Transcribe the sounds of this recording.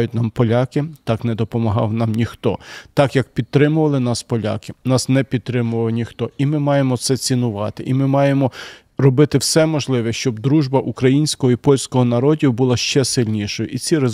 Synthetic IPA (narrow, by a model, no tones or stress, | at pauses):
jʊtʲnɑmpɔlʲɑkɪt̪ɑknɛd̪ɔpɔmɐɦɑ̰wnɑmnʲixt̪ɔt̪ɑkjɐk̚pʲid̪̚t̪ːɾɪmʊʋɐlˠɪnɑspɔlʲa̰kɪnɑsnɛpʲid̪̚t̪ːɾɪmʊʋɐʋnʲixt̪ɔimɪmɑjemɔt̪sɛt͡sʲinʊʋɑt̪ɪʔimɪmɑjemɔ | rɔbɪt̪ɪwsɛmɔʒlˠɪʋɛʃt͡ʃɔb̚d̪ɾuʒbɐʔukɾɐjinʲsʲkɔɦɔipɔlʲsʲkɔɦɔnɐɾɔdʲiwbulˠɑʃt͡ʃɛsɪlʲnʲiʃɔjʊʔit͡sʲiɾe